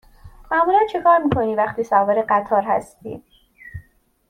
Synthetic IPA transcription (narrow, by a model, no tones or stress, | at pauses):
mæmuːlænt͡ʃʰe̞kʰɒːɾmiːkʰo̞niːvæxt̪iːsɒːveɾeɢæt̪ʰɒːɾɦæ̰st̪ḭː